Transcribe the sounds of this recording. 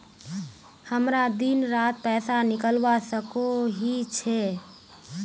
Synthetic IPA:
həmɾad̪inɾat̪̚pɛsanikəlʋasəkoɦit͡ʃʰɛ

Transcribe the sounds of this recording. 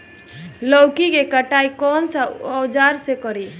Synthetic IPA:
lɔwkikekəʈaikɔnsəɔwd͡ʒaɾsekəɾi

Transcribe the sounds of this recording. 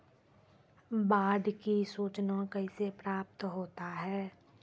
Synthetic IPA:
baːɖ̪kisuːt͡ʃnakəisepɾaːp̚t̪ɦoːt̪aɦɛː

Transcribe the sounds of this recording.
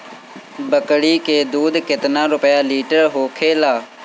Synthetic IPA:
bəkɽiːkeːd̪uːd̪kɪt̪nãːɾʊpjaːliːʈəɾɦoːkʰeːlaː

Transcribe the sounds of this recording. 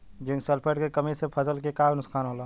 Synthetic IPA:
d͡ʒɪ̃ŋɡsəlpʰeʈkekəmisepʰəsəlkekaɡnʊskʰaːnɦolaː

